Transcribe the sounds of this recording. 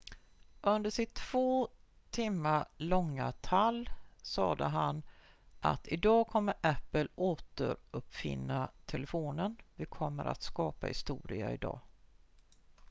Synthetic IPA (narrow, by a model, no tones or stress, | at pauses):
ʔɵnd̪əʂɪt̪ʰːv̥oː | t̪ʰɪmːalɔŋːat̪ʰalːsɑːd̪əɦan | ʔa̰t̪ɪd̪ɑːkʰɔmːəɾʔæpːəloːt̪ə̰ɾɵpːfɪ̰nːat̪ʰɛləfoːnənvɪkʰɔmːəɾʔa̰t̪skɑːpahɪ̰st̪uːɾɪa̰ɪd̪ɑ̰ː